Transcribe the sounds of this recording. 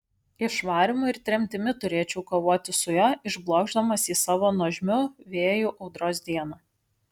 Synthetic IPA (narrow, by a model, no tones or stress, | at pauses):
ɪʃʋɑːɾʲɪmʊɪɾt̪ʲɾʲɛmʲt̪ʲɪmʲɪt̪ʊɾʲeːt͡ʃʲɛʊkoːʋoːt̪ʲɪsʊjɛɪʒblˠɔʊɡʒd̪ɐmɐsiːsɑːʋoːnɔːʒʲmʲʊʋʲeːjʊʔɒʊd̪ɾoːsd̪ʲiɛnɐ